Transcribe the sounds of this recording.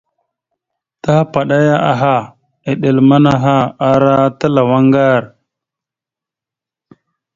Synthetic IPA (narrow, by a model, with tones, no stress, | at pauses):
ta˦pa˨ɗa˦ja˦ʔa˨ɦa˦˨ | e˨ɗe˨lma˦na˦ɦa˦a˦ɾa˦ta˦la˨wa˦ŋɡa˦˨ɾ